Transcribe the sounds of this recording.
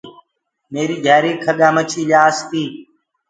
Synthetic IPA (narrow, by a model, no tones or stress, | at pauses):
meːɾiːɡʱɛːɾiːkʰəɠaːmət͡ʃʰiːlaːst̪iː